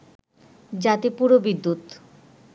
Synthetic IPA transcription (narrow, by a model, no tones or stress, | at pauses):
d͡ʑat̪ipuɾobid̪ːut̪